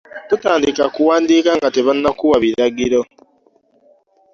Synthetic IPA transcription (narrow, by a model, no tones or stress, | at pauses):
tutaːndikakuwaːndikaŋɡateβanːakuwaβiɾaɡiɾo